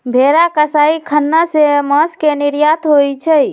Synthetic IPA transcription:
bʱeɾakəsaikʰənːaseməskeniɾjat̪ɦojt͡ʃʰəj

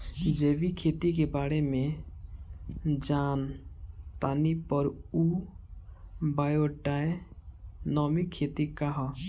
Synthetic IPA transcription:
d͡ʒebikʰet̪ik̬ebaɽeme | d͡ʒant̪anipɔɾu | bajoɖae | nɔmikʰːet̪ikaɦɔ

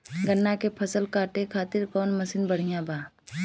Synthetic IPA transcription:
ɡənːakepʰəsəlkaːʈekʰaːt̪ɪɾkɔːnməsɪnbəɽ̤ijãbaː

